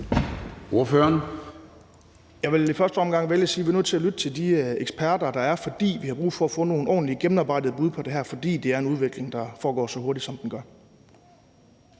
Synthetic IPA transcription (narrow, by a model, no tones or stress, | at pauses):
o̝ɐføːɐn | jɑ̈ɪʋe̝lifɶɐsd̥əɒ̽mɡ̥ɑ̈ŋ̰ʋeljəsiːʋiɐnøðˠt͡sʰe̝ælyd̥ət͡sʰe̝ldieɡ̥sb̥ʰæɐdɐd̥ɑ̈æɐfɒ̽d̥ḭːʋihɑ̈b̥ʁṵːfɒ̽æfɔ̰̽ːno̝ːn̩ɒ̰ːn̩liɡ̥emn̩ɑ̈ːb̥ɑ̈ɪ̰dð̩ˠb̥uðˠpʰɒ̽d̥e̝ɦæɐfɒ̽d̥ḭːd̥e̝æɐe̝nuð̞ˠʋe̝ɡ̥le̝ŋd̥ɑ̈fɒːɡ̥ɒ̰ːsɒ̽hoɐd̥id̥sɒ̽md̥enɡ̥ɶɐ